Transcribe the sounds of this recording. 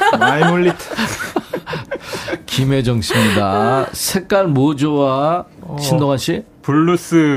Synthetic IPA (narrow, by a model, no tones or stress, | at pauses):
aimulːitʰ | kime̞d͡ʑʌŋɕʰimiɲidasʰek̚k͈aɭmod͡ʑowa | ɕʰindoŋɦaɕʰi | puɭːus͈ɯ